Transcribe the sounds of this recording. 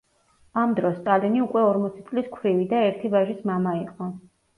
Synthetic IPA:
amd̪ɾɔsːt̪ʼaliniukʼwɛɔɾmɔt̪sʰit̪sʼliskʰwɾivid̪aɛɾt̪ʰibaʒismamaiqʼɔ

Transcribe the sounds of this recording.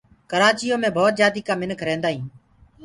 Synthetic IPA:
kəɾaːt͡ʃɪjõːmẽːbʱoːt̪̚d͡ʒjaːd̪iːkãːmɪnkʰɾẽːnd̪aːɦĩː

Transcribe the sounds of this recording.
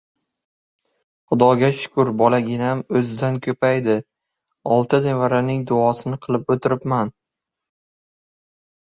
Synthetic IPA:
χʊd̪ɒɡʲaʃʊ̥kʰʊɾbɒlaɡʲɪnamɵzɪd̪ankʲʰɵpajd̪ɪ | ɒlˠt̪ʰɪd̪evaɾanɪŋd̪ʊɒsɪnɪqʰɨlˠɪpot̪ʰɪɾɪpman

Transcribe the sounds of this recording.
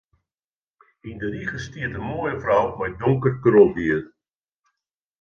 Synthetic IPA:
indəriɣəstiətəmoəjəfrawmɛjdɔŋkərkəɾɔbiər

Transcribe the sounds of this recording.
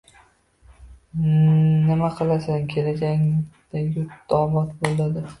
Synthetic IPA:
nɪmaqʰɨlˠasankʲʰe̞lad͡ʒaŋd̪̥anjʊt̪d̪̥ɒɒbɒt̪bolˠad̪ɪ

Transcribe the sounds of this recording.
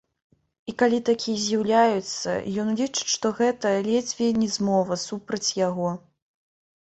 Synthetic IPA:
ikalʲit̪akʲʰijɐzʲjawlʲajut̪sːɐ̰jɔnlʲit͡ʂɨ̥ʂt̪ɔɣɛt̪ɐlʲɛd͡zʲvʲinʲɛzmɔvɐsupɾɐt͡sʲjaɣɔ

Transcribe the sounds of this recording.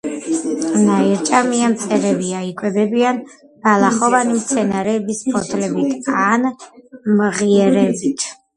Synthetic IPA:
naiɾt͡ʃʼamiamt̪sʼɛɾɛbiaikʼwɛbɛbian | ɡ̥alˠaχɔvanimt̪sʰɛnaɾɛːbispʰɔt̪ʰlɛbit̪ʰanmʁiɛɾɛbit̪ʰ

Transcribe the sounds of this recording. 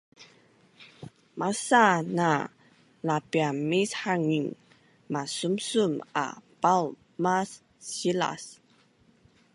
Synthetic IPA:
masana | lapiamishaŋiŋ | masumsuma̰pal | masː | ila̰s

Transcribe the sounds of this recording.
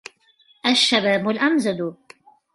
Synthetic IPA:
ʔaʃːabaːbʊlʔamzad̪ʊ

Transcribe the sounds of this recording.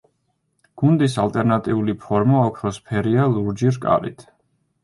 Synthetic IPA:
ɡ̥und̪isalt̪ʼɛɾnat̪ʼiulipʰɔɾmaɔkʰɾɔspʰɛɾialˠuɾd͡ʒiɾkʼa̰lḭt̪ʰ

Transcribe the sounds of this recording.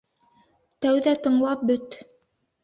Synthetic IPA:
t̪æwðæt̪ɤ̆ɴlˠɑp̚bɵt̪

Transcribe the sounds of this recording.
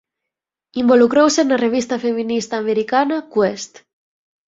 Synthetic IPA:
imbolukɾowsenareβ̞ist̪afeminist̪aːmeɾikanakwest̪

